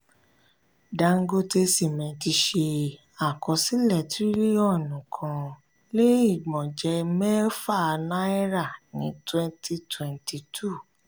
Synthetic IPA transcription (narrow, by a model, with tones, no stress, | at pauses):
da˧˦ŋ̩˦ɡo˦te˧si˦˨mɛ̃˨ti˧ʃe˧ | a˨kɔ˧si˦lɛ˦˨ti˦ɾi˦ɔ˦˨nũ˨kʰã˧ | le˦i˦˨ɡ͡bɔ̃˨d͡ʒɛ˧˦mɛ˦fa˦˨a˧na˦ɛ˦ɾa˦˨nĩ˨˦twɛ̃˦nti˧twɛ̃˧nti˧tʰu˦˨